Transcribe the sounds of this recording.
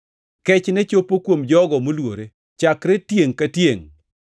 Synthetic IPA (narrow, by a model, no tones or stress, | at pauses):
kɛt͡ʃnɛt͡ʃopːokwomd͡ʒɔɡɔmolwo̰ɾe | t͡ʃakɾetjeŋkatjeŋ